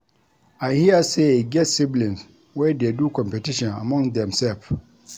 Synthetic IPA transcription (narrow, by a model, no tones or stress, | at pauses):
aɪhiəseeɡɛtsiblĩns | wɛdedukʰɔ̃mpɛtʰiʃɔ̃na̰mɔ̃ŋd̪ɛ̃msɛlf